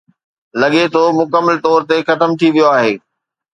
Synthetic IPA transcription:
lɐɠet̪ʰomʊkəmːəlt̪ɔːɾt̪exɐt̪əmt̪ʰiʋijoaːɦeː

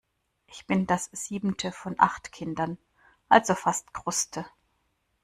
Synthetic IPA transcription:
ʔɪçb̥ɪndasz̥iːbm̩tʰəfɔnʔa̰χtkʰɪndɐn | ʔalzofastɡ̥ʁ̥ʊstʰə

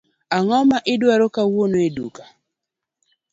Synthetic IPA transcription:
aŋɔmaʔɪdwaɾokawonoedṵka

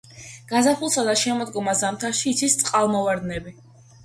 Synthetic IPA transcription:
ɡ̥azapʰulˠsad̪aʃɛmɔd̪ɡɔmazamt̪ʰaʃiːt̪sʰist̪sʼqʼalˠmɔvaɾd̪nɛbi

